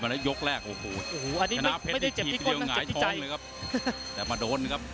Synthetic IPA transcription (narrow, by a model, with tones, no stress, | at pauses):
ma˧la˦˥jo˦˥k̚ɾɛː˥˩k̚ʔoː˨˩hoː˨˧˩ʔoː˨˩ʔa˧nːiː˦a˧na˥a˧˥pʰe˦˥˩j̪a˥˩t͡ɕe˨˩i˨˩i˥˧k̪ːŋaː˨˩˨t̪ːʰɔ˥t͡ɕa˦˧jŋlːjkʰa˦˥p̚t̪ɛː˨˩maː˧doː˧nkʰa˦˥p̚